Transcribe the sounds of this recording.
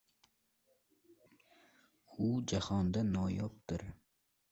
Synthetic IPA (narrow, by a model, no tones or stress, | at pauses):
ʊd͡ʒahɒnd̪anɒjɒp̚t̪ɪɾ